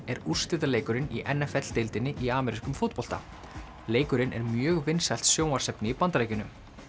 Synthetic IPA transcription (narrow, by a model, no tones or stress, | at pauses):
ɛɾur̥st̪ɪt̪̬aleːjkʏɾɪnḭʔɛnɛfɛt̪l̥t̪ɪlt̪ɪnːɪʔiaːmɛɾiskʏmfot̪̚pɔl̥t̪a̰ | leːjkʏɾɪnɛ̰ɾmjœːɣvɪnsajl̥t̪sjoːwmaɾ̥sɛpnɪipant̪ɾejcʏnʏm